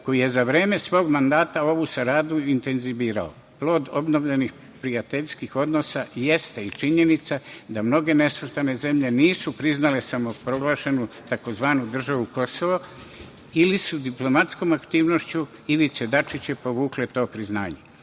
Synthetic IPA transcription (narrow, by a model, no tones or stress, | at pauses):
ko̞ije̞zaʋɾe̞ːme̞sʋo̞ːɡmand̪aːt̪ao̞ʋusaɾaːd̪uint̪e̞nziʋiːɾa̰o̰ | plo̞ːd̪o̞bno̞ʋʎenix | pɾiat̪e̞ʎskixo̞d̪no̞saje̞st̪eit͡ʃiɲe̞nit̪sad̪amno̞ɡe̞ne̞sust̪ane̞ze̞mʎe̞niːsupɾiznale̞samo̞pɾo̞ɡlˠaːʃe̞nut̪ako̞zʋaːnud̪r̩ʒaʋuko̞so̞ʋo | ilisud̪iplo̞mat̪sko̞ːmakt̪iːʋnoʃt͡ɕuiʋit̪sed̪at͡ʃit͡ɕepo̞ʋuːklet̪o̞ːpɾizna̰ːɲe